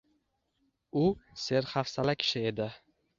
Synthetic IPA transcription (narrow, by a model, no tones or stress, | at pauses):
ʊse̞ɾχafsalakʲʰɪ̥ʃɪe̞d̪ɪ